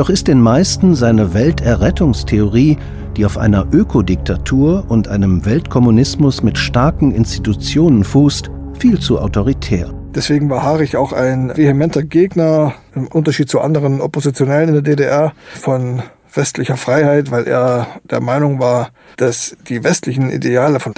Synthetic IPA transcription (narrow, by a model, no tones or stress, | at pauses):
d̥ɔχɪst̚d̥eːnmaɪstn̩zaɪnəvɛltɛɐʁɛtʊŋstʰeoʁ̞iː | d̥iːaʊfʔa̰ɪnɐʔøːkʰodɪk̚tʰatʰuːɐʊntʔaɪnəmvɛltkʰɔmunɪsmʊsmɪtʃtaɐkŋ̩ɪ̰nsti̥tut͡sjoːnənfuːst | fiːlt͡suʔa̰ʊtoʁ̞itʰɛːɐ | d̥ɛsv̥eːɡŋ̩vaːɐɦaːʁɪça̰ʊxa̰ɪnvehemɛntɐɡeːɡnɐ | ɪmʔʊntɐʃiːt̚t͡suʔa̰ndəʁənʔopozit͡sjonɛlənɪndeːɐdedeʔɛɐfɔn | v̥ɛstlɪçɐfʁ̥aɪhaɪtv̥aɪlʔḛːɐd̥eːɐmaɪnʊŋvaːɐ | d̥asd̥iːvɛstlɪçn̩ʔḭdeaːləfɔn